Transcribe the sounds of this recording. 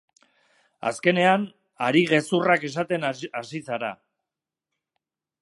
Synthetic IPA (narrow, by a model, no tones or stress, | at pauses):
a̰ske̞ne̞an | aɾiɣe̞surake̞s̬at̪e̞nasisaɾa̰